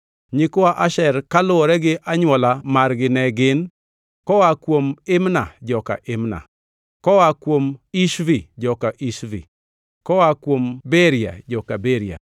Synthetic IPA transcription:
ɲɪkʊaʔaʃɛrkalʊɔɾɛɡɪʔaɲwɔlamarɡɪnɛɡɪn | kɔwakwomɪmna̰d͡ʒɔka̰ʔɪmna̰ | kɔwakwomiʃvid͡ʒɔkaʔiʃvḭ | kɔwakwombɛɾja̰d͡ʒɔkabeɾia̰

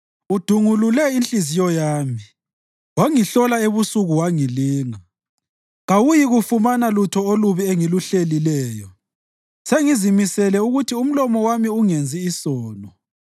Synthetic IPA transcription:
ud̥ʱuŋululɛint͡ɬʼizijɔjaːmi | waŋiɬɔlaeβusuɣuwaŋiliːŋa | ɣawujiɣufumanalutʰɔoluβieŋiluɬelilɛːjɔ | seŋizimisɛlɛuɣutʰium̩lɔmɔwamiuŋend͡zʱiːsɔːnɔ

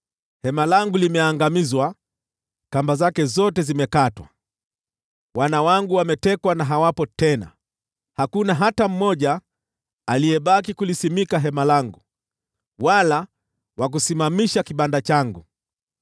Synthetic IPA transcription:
hɛmalaŋɡulimɛaŋɡamizwa | kambazakɛzɔtɛzimɛkatwa̰ | wanawaŋɡuwamɛtɛkwanaɦawapɔtɛna̰ | hakunaɦatam̩mɔʄaː | lijɛɓakikulisimikaɦɛmalaŋɡu | wala | wak̬usimamiʃakiɓandat͡ʃaŋɡu

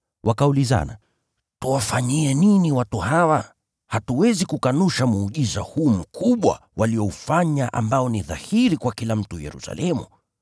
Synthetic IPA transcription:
wʔakauliza̰na | tuwafaɲiɛniniwatuhawa | hatuwɛzikukanuʃamuːʄizahuːm̩kʰuɓwa̰wʔaliɔufaɲaʔa̰mbaɔniða̰hiɾikwakilam̩tujɛ̰ɾṵsa̰lʔɛmṵ

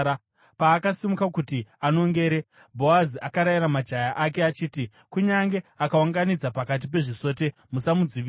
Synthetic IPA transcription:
paːkasimukakutiano̞ŋɡe̞ːɾe | bʱo̞aziʔakaɾaiɾamad͡ʒajaʔake̞at͡ʃiːti | kuɲaŋɡe̞akawaŋɡanid͡zapakat̬ip̬e̞ʐiso̞ːt̬e̞ | musamud͡ziʋi

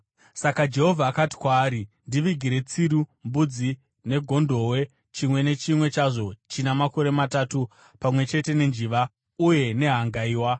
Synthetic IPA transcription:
sakad͡ʒe̞ɦo̞vʱaːkati̥kwaːɾindiʋiɡʱiɾe̞t͡siɾumbud͡zi | ne̞ɡʱo̞ndʱo̞we̞ | t͡ʃimwe̞ne̞t͡ʃimwe̞t͡ʃaʐo̞t͡ʃinamako̞ɾe̞matatu | pamwe̞t͡ʃe̞te̞ne̞nd͡ʒiʋa | uje̞ne̞ɦaŋɡaiːwa

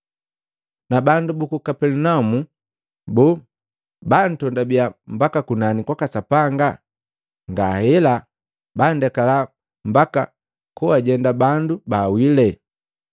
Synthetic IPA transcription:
nabandubukukapɛlunamu | bɔ | ban̩tɔndabiambakakunanikwakasapaŋɡa | ŋɡa̰hɛla | bandɛkala | m̩baka̰ | kuaɟɛndabandubawilɛ

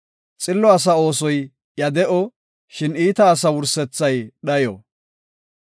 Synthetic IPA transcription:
t͡sʼɪlːɔɐs̬ɐo̞ːs̬ɔj | jɐd̪ɛʔɔ | ʃɪniːt̪ɐːs̬ɐwʊɾsɛt͡sːɐjɗɐjɔ

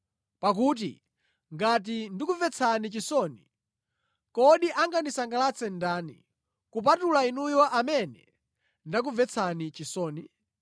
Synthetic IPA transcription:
pak̬uːt̬ḭ | ŋɡat̬indikuvɛt͡sʰanit͡ʃisɔni | kɔɗiʔaŋɡanisaŋɡalat͡sʰɛndaːnḭ | kup̬atulainujɔʔamɛnɛ̰ | ndak̬uvɛt͡sʰanit͡ʃisɔːni

